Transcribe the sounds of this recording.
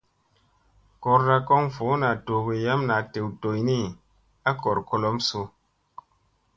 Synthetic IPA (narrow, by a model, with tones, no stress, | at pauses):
ko˧ɾɾa˧ko˦ŋfo˨˦na˨to˨ɡe˨ja˦mna˨te˨wto˨jni˦˨ | a˦ko˨ɾko˧lo˦mso˧